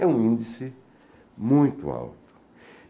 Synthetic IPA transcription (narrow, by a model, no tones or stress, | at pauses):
ɛũĩnd̪isɪ | mũj̃t̪ʊ̰a̰wt̪ʊ̥